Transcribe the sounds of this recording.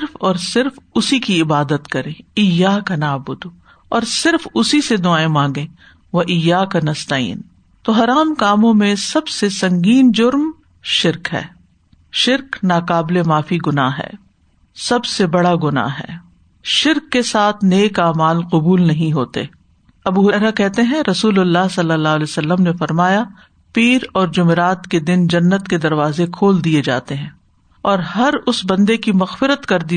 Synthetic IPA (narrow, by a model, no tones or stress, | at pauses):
ɾfɔːɾsɪɾfʊsikiɪbaːd̪ət̪kɐɾẽːɪjaːkanaːbʊd̪ | ɔːɾsɪɾfʊsised̪ʊaːemãːŋɡẽː | ʋɐʔɪjaːkanɐst̪aːḭːn | t̪oːɦɐɾaːmkaːmõmẽsɐbsesɐ̃ŋɡiːnd͡ʒʊɾm | ʃɪɾkɦɛ̰ː | ʃɪɾknaːqaːblemaːfiɡʊnaːɦɛ̰ː | sɐbsebɐɽaɡʊna̰ɦɛ̰ː | ʃɪɾkːesaːt̪ʰneːkaːmaːlqʊbuːlnɐɦĩɦoːt̪ḛː | ɐbuɦɛɾakɛɦt̪eɦɛ̃ɾɐsuːlʊlːaːɦsɐlːəlːaːɦlesɐlːəmnefɐɾmaːja | piːɾɔːɾd͡ʒʊmeɾaːt̪ked̪ɪnd͡ʒɐnːət̪ked̪ɐɾʋaːzekʰoːld̪ied͡ʒa̰ːt̪eɦɛ̃ː | ɔːɾɦɐɾʊsbɐ̃nd̪ekimɐxfɪɾət̪kɐɾd̪i